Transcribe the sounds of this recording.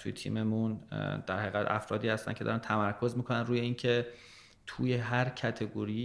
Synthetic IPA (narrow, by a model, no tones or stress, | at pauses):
t̪ʰujet̪ʰḭːmemund̪̥æɾhæɣæd̪æ̰fɾɒ̰ːd̪iːhæst̪æ̰ncʰeɒ̰ːɾænt̪ʰæmæɾkʰo̞zmiːkʰo̞nænɾuːje̞iːncʰe̞ | t̪ʰuːjeɦæɾcʰæt̪ʰe̞ɡoɾi